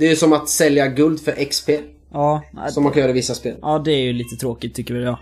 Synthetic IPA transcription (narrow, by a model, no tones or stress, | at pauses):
d̪̥ɛæjɵsɔmat̪sɛljaɡɵld̪fœɾʔɛkspʰeː | ɑ̰ːsɔmankʰanjːɾɛɪvɪsːaspeːlʔɑːd̪ɛæɾjɵliːt̪ət̪ʰɾoːkɪt̪ʰːʏkːəɾjɑːɡ